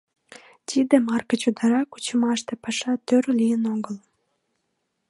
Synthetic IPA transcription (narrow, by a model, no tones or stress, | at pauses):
t̪ʲid̪emɑrkət͡ɕud̪ɑɾɑku̥t͡ɕəmɑʃt̪epɑʃɑt̪øɾlijənoɣəl